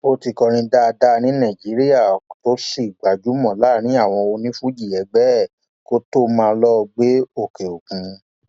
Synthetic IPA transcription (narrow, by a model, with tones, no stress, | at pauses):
o˧ti˧kɔ˧ɾ̃ĩ˧da˦˧da˦˧nĩ˦nã˦˨d͡ʒi˨˦ɾi˦ja˦˨to˨˦si˦˨i˨ɡ͡ba˨d͡ʒu˨˦mɔ̃˦˨la˦˨ñĩ˨˦a˦˨w̃ɔ̃˧o˧nĩ˦fũ˦d͡ʒi˦˨ɛ˨˧ɡ͡bɛ˦˨ | ko˦to˦mãː˧lɔ˦˧ɡ͡be˦o˦˨ke˨o˨kũ˨˧˦